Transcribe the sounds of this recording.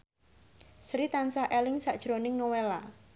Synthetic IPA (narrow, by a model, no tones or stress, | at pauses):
sɾit̪ansahʔelɪŋsaʔd̥ʒ̥ɾonɪŋnowela